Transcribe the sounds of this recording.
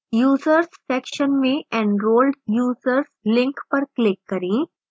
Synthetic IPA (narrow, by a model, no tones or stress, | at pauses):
juːzəɾsfɛkʃənmĩɛ̃ɳɖɾoːlɖjuːzəɾslɪ̃ŋkpəɾklɪkːəɾĩ